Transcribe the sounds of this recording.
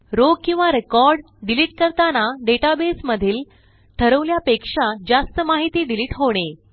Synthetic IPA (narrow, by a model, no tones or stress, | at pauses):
ɾokĩw̃ʋaɾekɔɾɖ | ɖiliʈkəɾt̪anaɖeʈabesməd̪ʱiːl | t̪ʰəɾəʋljapekʂad͡zast̪əmaɦit̪iːɖiliːʈɦoɽ̃e